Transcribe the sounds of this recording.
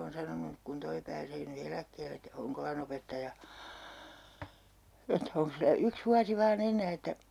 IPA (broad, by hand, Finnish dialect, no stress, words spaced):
oːn sɑnonuk kun toi pæːseː ny elækːeːlː et hoŋkolɑn opetːɑjɑ etːæ oŋks silːæ yks ʋuɑsi ʋɑːn enˑæː etːæ